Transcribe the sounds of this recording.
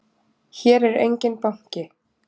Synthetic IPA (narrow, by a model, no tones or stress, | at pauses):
çɛːɾɛɾḛjɲcɪnpaŋ̥cɪ